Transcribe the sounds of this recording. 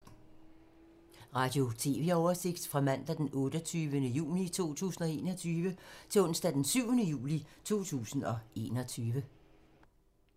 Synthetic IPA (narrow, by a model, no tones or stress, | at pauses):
ʁɑ̈d̥jo̝t͡sʰe̝̰ːʋeɒʊɐse̝ɡ̥̚d̥fʁɑ̈mæn̰d̥æd̥enʔɔ̽ːd̥ət͡sʰyːʋənəjṵːnit͡sʰo̝̰ːt͡sʰṵːsn̩ɒ̽e̝̰ːnɒ̽t͡sʰyːʋət͡sʰe̝lɔ̽n̰sd̥æd̥ensyʊ̰ənəjṵːlit͡sʰo̝̰ːt͡sʰṵːsn̩ɒ̽ʔe̝̰ːnɒ̽t͡sʰyːʋə